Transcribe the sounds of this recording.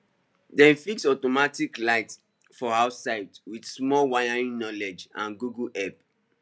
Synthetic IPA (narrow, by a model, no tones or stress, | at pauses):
dɛ̃nfiksɔtɔmatiklaɪt | fɔaʊtsaɪtwidsmɔlwajaɹĩnnɔlɛd͡ʒãnɡuɡuʔɛp̚